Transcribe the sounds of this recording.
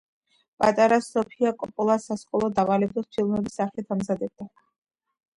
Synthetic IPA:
pʼat̪ʼaɾasɔpʰiakʼɔpʼɔlˠasasqʼɔlˠɔd̪avalɛb̚d̪ɔst̪ʰilˠmɛbisaχlit̪ʰamzad̪ɛb̚d̪a

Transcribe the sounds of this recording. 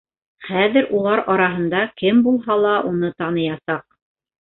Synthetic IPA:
χæðɘɾʔulˠɑɾɑɾɑɦɤ̆nd̪ɑkɘmbulˠɦɑlˠɑʔunɤt̪ɑnɤ̆jɑsɑq̚

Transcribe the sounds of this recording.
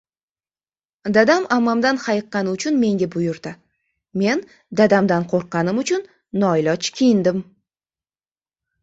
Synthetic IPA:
d̪ad̪amamamd̪anχɑjɨqːɑnɪʊt͡ʃʰʊnme̞ŋɡʲabʊjʊɾd̪ɪ | me̞n | d̪ad̪amd̪anqʰoɾqːɑnɪmʊt͡ʃʰʊnː | ɒɪlɒt͡ʃkʲʰijɪnd̪ɪm

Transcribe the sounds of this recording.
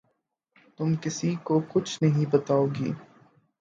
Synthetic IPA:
t̪ʊmkɪsikokʊt͡ʃʰnɐɦĩbɐt̪aːoːɡḭː

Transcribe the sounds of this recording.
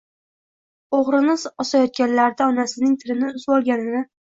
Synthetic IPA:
oʁɾɪnɪzɒsajɒt̪̚ɡʲanlaɾd̪aɒnasɪnɪŋt̪ʰɪɾɪnɪʊzbɒlˠɡʲanɪnɪ

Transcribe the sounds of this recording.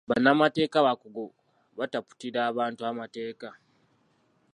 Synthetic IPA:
βanamate̞ːkaβakuɡo | βatapu̥tiɾaːβaːntuamate̞ːka

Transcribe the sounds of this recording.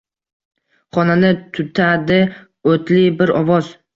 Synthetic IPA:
χɒnanɪt̪ʰʊt̪ʰad̪ɪ | ot̪lɪbɪɾɒvɒz̥

